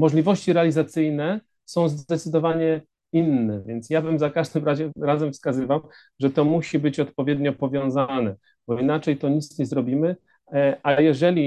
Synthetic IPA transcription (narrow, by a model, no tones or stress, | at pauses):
mɔʐlʲivɔɕt͡ɕiɾɛalʲizat̪sɘjnɛ | sɔ̃w̃zd̪ɛt̪sɨd̪ɔvaɲɛ | inːɛvʲjɛnt̪sjavamzakaʐd̪ɘmɾaʑɛɾazɛmfskazɘvam | ʐɛt̪ɔmuɕibɘt͡ɕɔt̪pɔvʲjɛd̪ɲɔpɔvʲjɔ̃w̃zanɛ | b̥ɔinat͡ʂɛjt̪ɔɲit̪sɲɛzɾɔbʲimɘ | ʔajɛʐɛlʲi